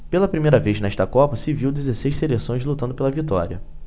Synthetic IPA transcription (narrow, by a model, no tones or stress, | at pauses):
pelɐpɾimejɾɐvejznɐɛʃt̪ɐkɔpɐsɪviwd̪ezesejʃselesõj̃zlut̪ɐ̃nd̪ʊpelɐvit̪ɔ̰ɾʲiɐ̰